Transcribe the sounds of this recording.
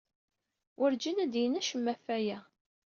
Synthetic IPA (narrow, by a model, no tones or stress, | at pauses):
wʔəɾd͡ʒinæd̪jənæʃəmːæfæjæ